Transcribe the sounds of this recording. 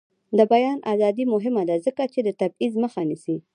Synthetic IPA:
d̪əbajɑnʔazɑd̪imʊɦɪmad̪azəkat͡ʃed̪ət̪ab̚izməxanisi

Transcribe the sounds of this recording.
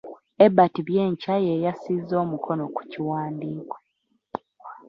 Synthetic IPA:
ebːatiβjeːɲcajeːjasizːo̞ːmukʰo̞noku̥ciwaːndiːko̥

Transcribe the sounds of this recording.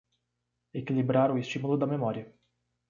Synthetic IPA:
ekilibɾaɾʊest͡ʃimulʊd̪ɐmemɔɾiɐ

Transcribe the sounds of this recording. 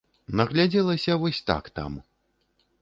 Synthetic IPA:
nɐɣlʲad͡zʲɛlˠɐsʲɐvɔsʲt̪a̰kt̪a̰m

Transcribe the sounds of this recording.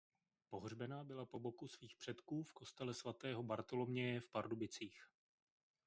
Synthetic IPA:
po̞ɦr̝bɛnaːbɪlapo̞bo̞kusviːxpr̝̥ɛt̪kuːfko̞st̪ɛlɛsvat̪ɛːɦo̞baɾt̪o̞lo̞mɲɛjɛfpaɾdobɪt͡siːx

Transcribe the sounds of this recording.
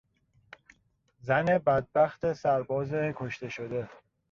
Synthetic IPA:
zæne̞bæd̪̚bæxt̪esæɾbɒːzekʰoʃt̪e̞ʃo̞d̪e̞

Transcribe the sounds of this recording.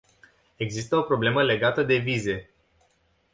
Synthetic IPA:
e̞ɡzist̪əo̞pɾo̞ble̞məle̞ɡat̪əd̪e̞vize̞

